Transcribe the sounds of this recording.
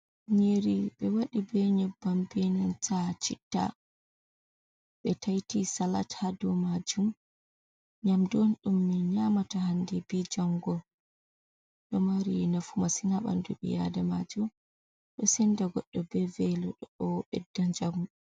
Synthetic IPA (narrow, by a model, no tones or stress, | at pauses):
ɲeɾiɓɛwaɗibɛɲabːambenantat͡ʃitːa̰ | ɓɛtajtisalatʰadɔmad͡ʒum | ɲamdonɗumːiɲamatahandibid͡ʒaŋɡɔ | ɗɔmaɾinafumasinaɓa̰ndṵɓḭja̰damad͡ʒum | ɗɔsɛndaɡɔɗːɔbɛvɛlɔɗɔɔɓɛdːaɲd͡ʒamu